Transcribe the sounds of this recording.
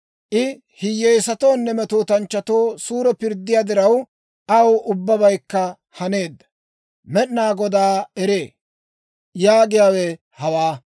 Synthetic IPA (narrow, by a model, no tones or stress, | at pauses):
ʔɪ | hɪjejsɐt̪o̞ːnːɛmɛt̪oːt̪ɐnt͡ʃːɐt̪o̞ːsuːɾɛpɪɾd̪ːɪjaːd̪ɪɾɐw | ʔɐwʊbːɐbɐjkːɐ | hɐne̞ːd̪ːɐ̥ | mɛɗnaːɡɔd̪aːɛɾe̞ː | jaːɡɪjaːwɛ | hɐwaː